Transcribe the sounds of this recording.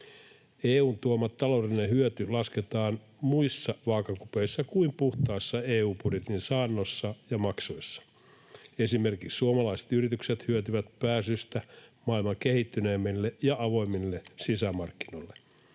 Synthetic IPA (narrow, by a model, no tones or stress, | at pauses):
eːuːnt̪uomːɑt̪tːɑlolinehyøt̪ylɑsket̪ɑːn | muisːɑʋɑːkɑkupeisːɑkuimpuht̪ɑːsːɑeːuːpudjet̪insɑːnːosːɑjɑmɑksoisːɑ̥ | esimerkikssuomɑlɑise̥t̪yrit̪ykset̪hyøt̪yʋæt̪pæːsyst̪æmɑilmɑkehit̪ːyneːmːilːejɑɑʋo̞imːilːesisæmɑrkːinoilːe